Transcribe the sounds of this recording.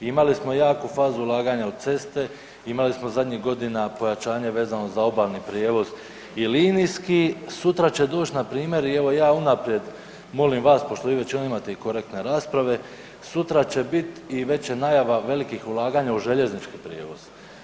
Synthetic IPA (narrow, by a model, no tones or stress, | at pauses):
imalismo̞jaːkufaːzuulˠaːɡaɲaod̪̚t̪se̞st̪e̞ | imalismo̞zad̪ɲiɦɡo̞d̪inapo̞jat͡ʃaːɲe̞ʋe̞ːzano̞zao̞baːlʲnipɾjeːʋo̞z | iliːnijskisut̪ɾat͡ɕe̞d̪o̞ːt͡ʃt̪napɾiːmje̞ɾieʋo̞jaːunapɾje̞d̪ | mo̞limʋaːspo̞ʃt̪o̞ʋiːʋe̞t͡ɕinoimat̪eiko̞ɾek̚t̪ne̞ɾaːspɾaʋe̞ | sut̪ɾat͡ɕe̞bit̪iʋe̞t͡ɕenajaʋaʋe̞likixulˠaːɡaːɲauʒe̞ʎe̞znit͡ʃkipɾjeːʋo̞z̥